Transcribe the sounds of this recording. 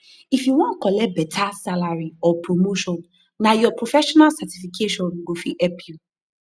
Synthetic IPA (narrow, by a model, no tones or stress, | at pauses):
ifjuwɔ̃nt̚kɔlɛt̚bɛtʰasalaɹiɔpɹomoʃɔ̃nː | ajɔpɹofɛʃɔnalsatifikʰeʃɔ̃nɡofiʔɛpʰju